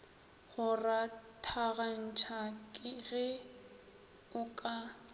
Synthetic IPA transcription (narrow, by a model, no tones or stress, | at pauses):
ɣʊratʰaɣan̩t͡ʃʰakʼɪɣɪ | ʊkʼa